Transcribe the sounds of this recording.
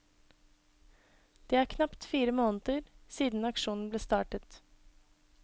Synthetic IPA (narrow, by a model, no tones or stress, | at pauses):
d̪̥eːæːɾkʰnɑpt̪fiːɾəmoːnt̪əɾsiːd̪n̩ɑkʃuːnn̩bleːst̪ɑːʈət̪